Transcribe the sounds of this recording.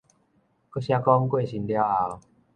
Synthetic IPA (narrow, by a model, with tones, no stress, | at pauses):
ko˦ɕja˧kɔ˦ŋkwe˥˨ɕi˨˧˦ndja˧˦wa˧w